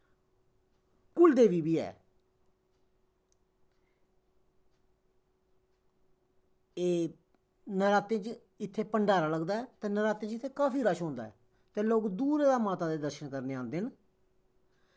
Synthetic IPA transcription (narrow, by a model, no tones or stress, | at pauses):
kʊld̪eːʋiːbiːɛ̰ː | eː | nəɾaːt̪ẽːt͡ʃ | ɪt̪ʰːeːpəɳɖaːɾaːləɡd̪aːɛːt̪ẽːnəɾaːt̪ẽːt͡ʃɪt̪ʰːeːkaːfʰiːɾəʃɦõːnd̪a̰ːɛ̰ː | t̪ẽːloːkd̪uːɾeːd̪aːmaːt̪aːd̪eːd̪əɾʃənkəɾneːãːnd̪eːɦn